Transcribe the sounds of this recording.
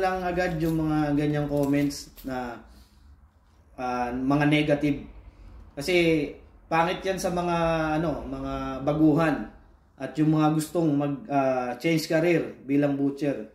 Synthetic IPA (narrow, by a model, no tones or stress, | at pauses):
lɐŋɐɡad̪jʊŋmɐŋaɡɐɲːaŋko̞ːmɛnt̪snɐ | ʔamɐŋanɛɡɐt̪ɪb̚kɐsɛpaːŋɪt̪̚jansɐmɐŋaʔɐno̞mɐŋabɐɡuːɦan | ʔɐt̪̚jʊŋmɐŋaɡʊst̪o̞ŋmɐɡ̚at͡ʃɛnskɐɾiɾbiːlɐŋbuːt͡ʃɛɾ